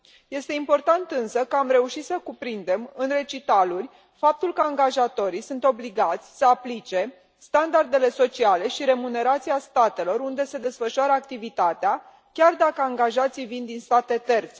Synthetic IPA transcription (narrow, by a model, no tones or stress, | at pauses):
je̞st̪e̞impo̞rt̪ant̪ɨnsəkəamɾe̞uʃit̪səkupɾind̪e̞mɨnre̞t͡ʃit̪alurʲ | fap̚t̪ulkəaŋɡaʒat̪o̞ɾisunt̪o̞bliɡat̪sʲsəaplit͡ʃe̞ | st̪and̪ard̪e̞le̞so̞t͡ʃiale̞ʃiɾe̞mune̞ɾat̪siast̪at̪e̞lo̞ɾund̪e̞se̞d̪e̞sfəʃuaɾəakt̪ivit̪at̪ea | kʲard̪akəaŋɡaʒat̪sijvind̪inst̪at̪e̞t̪e̞rt̪se